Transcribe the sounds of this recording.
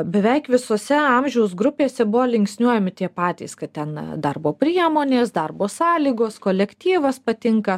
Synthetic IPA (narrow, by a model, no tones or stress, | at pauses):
bʲɛʋʲɛɪkʋʲɪsoːsʲɛɐmʲʒʲɛʊsɡɾʊpʲeːsʲɛbʊʋoːlʲɪŋʲksʲnʲuɔjɛmʲɪt̪ʲiɛpɑːt̪ʲḭskɐt̪t̪ʲɛnd̪ɐrboːpʲɾʲiɛmoːnʲeːsd̪ɐrboːsɑːlʲiːɡoːskoːlʲɛkʲt̪ʲiːʋɐspɐt̪ʲɪŋkɐ